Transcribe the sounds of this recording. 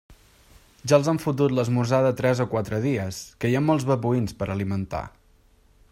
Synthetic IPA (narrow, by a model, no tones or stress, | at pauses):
ʒaəlˠzaɱfut̪̬ut̪ləzmuzaðət̪ɾɛzokwat̪ɾəðiəskəjamːɔlˠzβəpuinspəɾəlimənt̪a̰